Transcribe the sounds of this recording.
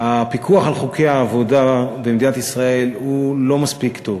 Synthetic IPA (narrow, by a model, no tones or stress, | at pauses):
apikʰuaχalχukʰejaːvo̞dabemd̪inat̪isʁae̞lhulo̞maspikt̪o̞v